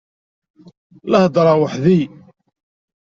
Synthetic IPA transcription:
ləhd̪ˤɾˤɑwəħði

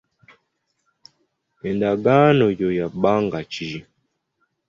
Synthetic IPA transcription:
ɛndaɡanɔjɔjaɓaŋɡat͡ʃi

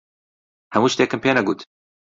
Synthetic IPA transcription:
hæmuːʃt̪eːkəmpʰeːnɐɡuːt̪

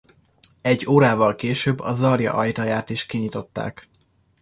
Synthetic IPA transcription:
ɛɟːoːɾaːvɒlkeːʃøbːɒ̰zɒrjɒ̰ʔɒjt̪ɒjaːt̪iʃkiɲit̪o̞t̪ːa̰ːk

